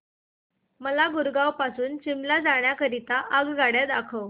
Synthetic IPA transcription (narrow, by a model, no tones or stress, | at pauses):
məlaɡuɾɡawpasuːnt͡ɕimlad͡zaɳ̃jakəɾit̪aʔəɡɡaɽjad̪akʰəw